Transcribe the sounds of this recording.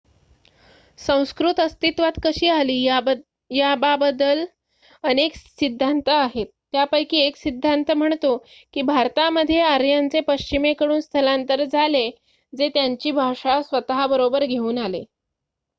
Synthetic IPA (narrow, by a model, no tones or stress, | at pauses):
sə̃w̃skɾut̪əst̪it̪ʋat̪kəɕiːaliː | jababəd̪əl | əneksid̪ʱːant̪əaɦet̪ːjapəjkiːeksid̪ʱːant̪əm̤əɳt̪o | kiːbʱaɾt̪aməd̪ʱːjeaɾjant͡sepəɕt͡ɕimekəɽuːnst̪ʰəlant̪əɾd͡zʱale | d͡zet̪jaɲt͡ɕiːbʱaʂasʋət̪aɦabəɾobəɾɡʱeuːnalḛ